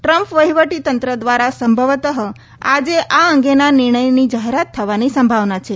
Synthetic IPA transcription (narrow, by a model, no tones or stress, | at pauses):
ʈɾəmpʋəɦiʋəʈit̪ənt̪ɾəd̪ʋaɾasəmbʱəʋt̪əɦə | ad͡ʒeʔaəŋɡenanɪɾɳ̃əjnid͡ʒaɦeɾat̪ʰːəʋanisəmbʱaʋnat͡ʃʰe